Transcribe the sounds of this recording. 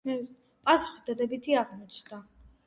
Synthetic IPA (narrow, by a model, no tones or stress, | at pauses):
pʼasu̥χi̥d̪ad̪ɛbit̪ʰiaʁmɔt͡ʃʰd̪a